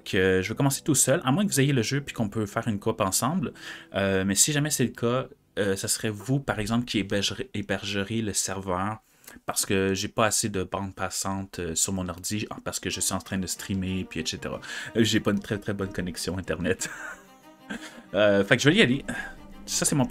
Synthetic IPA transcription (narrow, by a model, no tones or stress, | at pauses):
kʰøʒəvøkɔmɑ̃se̥t̪usœlʔamwɛ̃kəvuzejeləʒøpɥi̥kɔ̃pøfɛːʁynkɔpɑ̃sɑ̃blømɛsiʒamɛsɛləkʰa | øsasəʁɛvupaʁɛɡzɑ̃plkʲiebebɛʁʒəʁeləsɛʁvœːʁ | paʁ̥sə̥kəʒepaːsed̪əbɑ̃d̪̚pasɑ̃t̪øsyʁmɔ̃naʁd̪ipaʁsə̥kəʒəsɥizɑ̃t̪χɛ̃d̪əst̪χimepɥiɛʃet̪ḛʁa̰ʒepaynt̪χɛt̪χɛbɔnkɔnɛksjɔ̃ɛ̃t̪ɛʁnɛt̪ | øfɛkʒəvəliale | sasɛmɔ̃